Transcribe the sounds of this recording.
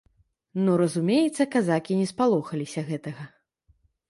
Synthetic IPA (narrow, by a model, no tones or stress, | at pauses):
nɔɾɐzumʲejɛt̪sːɐkazakʲinʲɛspalˠɔxɐlʲisʲɐɣɛt̪ɐɣɐ